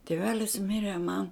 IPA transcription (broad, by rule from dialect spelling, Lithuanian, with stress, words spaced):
tʲiɛˈʋʲæːlʲɪs ˈmʲɪrʲɛ mɐn